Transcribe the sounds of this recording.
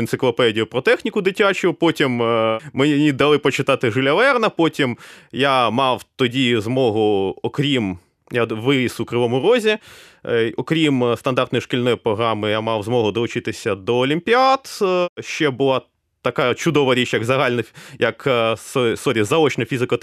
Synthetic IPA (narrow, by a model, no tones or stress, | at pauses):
ɪnt̪sɪklˠɔpɛdʲijʊpɾɔt̪ɛxnʲikʊd̪ɪtʲat͡ʃʊpɔtʲimmenʲid̪ɐlˠɪpɔt͡ʃɪt̪ɑt̪ɪʒɪlʲɐʋɛrnɐpɔtʲimjamɑwt̪ɔdʲizmɔɦʊɔkɾʲim | jaʋɪisʊkɾɪʋɔmʊɾɔzʲi | ɔkɾʲimst̪ɐnd̪ɑrt̪nɔjiʃkʲilʲnɔjipɾɔɦɾɑmɪjamɑwzmɔɦʊd̪ɔlˠʊt͡ʃɪt̪ɪsʲɐd̪ɔːlʲimpʲiɑt̪ʃt͡ʃɛbʊlˠɑ | t̪ɐkɑt͡ʃʊd̪ɔʋɐɾʲit͡ʃjɐɡzɐɦɑlʲnɐjɐksɔsɔɾʲizɐɔt͡ʃnɐfʲizɪkɐ